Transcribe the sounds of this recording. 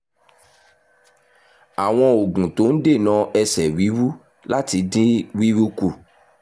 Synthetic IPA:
a˨w̃ɔ̃˧o˨ɡũ˨to˨˦n̩˦de˦˨nã˨˦ɛ˧sɛ˨wi˨˦ɾu˦ | la˦ti˧˦dĩ˦wi˦ɾu˦ku˦˨

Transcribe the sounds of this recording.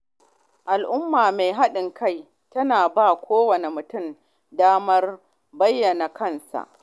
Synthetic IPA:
ʔa˨lʔʊ˦mːaː˨me˨jɦa˦ɗɪ˨ŋka˦˨j | tɐ˦naː˨baː˦˨kʷʰoː˦wɐ˨ne˨mʊ˨tʊ˦˨m | daː˦mɐ˦r | bɐ˦jːɐ˨na˨kɐ˦nsa̰˨ʔ

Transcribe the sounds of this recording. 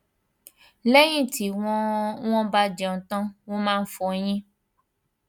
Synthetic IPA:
lɛ˦j̃ĩ˦ti˨˦wɔ̃˦w̃ɔ̃˦ba˦d͡ʒɛ̃˨t̪ɔ̃˦w̃ɔ̃˦mãː˦˧n̩˦fɔ˨˦j̃ĩ˦

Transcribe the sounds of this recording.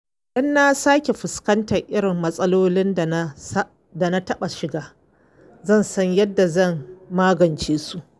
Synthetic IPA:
ʔɪ˦nːa˦saː˦kʲe˨ɸɪ˨skɐ˦ntɐ˨rʔɪ˦ɽɪ˨mːɐ˦sʼɐ˦loː˦lɪ˦n˨˦ | da˨na˦tɐ˦ɓa˨ʃɪ˨ɡaː˦ | zɐ˦˨nsɐ˦ɲjɐ˦dːa˨zɐ˦˨mːaː˦ɡɐ˨nt͡ʃeː˦su˦˨ʔ

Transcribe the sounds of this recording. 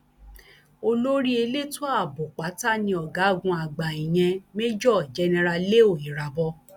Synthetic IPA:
o˧lo˦ɾi˦e˧le˦to˦a˦˨bo˨k͡pa˨˦ta˦nĩ˧ɔ˨ɡa˨˦˨ɡũ˧a˨ɡ͡ba˨i˨j̃ɛ̃˧me˦d͡ʒɔ˦˨d͡ʒɛ˨˧˦nɛ̃˧ɾa˧le˦o˦˨i˨ɾa˨bɔ˧

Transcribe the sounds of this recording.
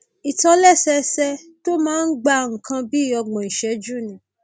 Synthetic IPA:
i˨tɔ˧lɛ˦˨sɛ˧˦sɛ˧to˦mãː˦n̩˦ɡ͡ba˧ŋ̩˨kʰã˧bi˦i˦˨ɔ˧ɡ͡bɔ̃˨i˨ʃɛ˨˦d͡ʒu˦˨nĩ˨˦

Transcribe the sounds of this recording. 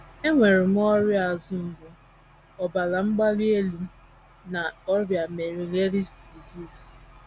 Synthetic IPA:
e˦ŋʷe˨ɾɪ˨m̩˦ɔ˦ɾja˨zʊ˦m̩˨ɡe˦ | ɔ˨ba˨la˨ŋ͡m̩˦ɡ͡ba˦le˦lu˨˦ | na˨ɔ˦bja˨me˨ɾi˨ŋe˦ɾi˦sdi˨si˦˨s

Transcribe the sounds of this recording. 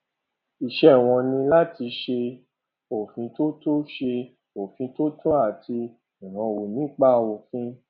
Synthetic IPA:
i˨ʃɛ˦˨w̃ɔ̃˧nĩ˧la˦ti˧ʃe˧ | o˨fĩ˧to˦to˦ʃe˧ | o˨fĩ˧to˦tɔ̃˦a˦˨ti˧ | ĩ˨ɦã˧˨wo˨nĩ˨˦k͡pa˦˧wo˨fĩ˧

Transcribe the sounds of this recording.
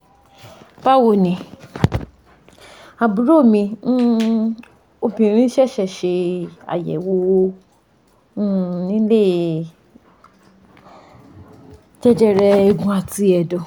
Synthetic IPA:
ba˦˨wo˨nĩ˨ | a˨bu˨˦ɾo˦˨mĩ˧n̩˦ | o˧bĩ˧˨ɾĩ˦ʃɛ˦˨ʃɛ˦˨ʃe˧a̰˨jɛ̰˨wo˧w | nĩ˦le˦˨ | d͡ʒɛ˦d͡ʒɛ˦ɾɛ˧ɛ˧ɡũ˧a˧ti˧˦ɛ˨dɔ˨

